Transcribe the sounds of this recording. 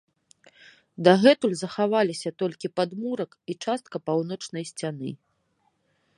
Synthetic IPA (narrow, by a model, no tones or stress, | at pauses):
d̪aɣɛt̪ulʲzɐxavalʲisʲɐt̪ɔlʲkʲipad̪muɾɐkit͡ʂast̪̚kɐpawn̪ɔt͡ʂnɐjsʲt͡sʲanɨ̰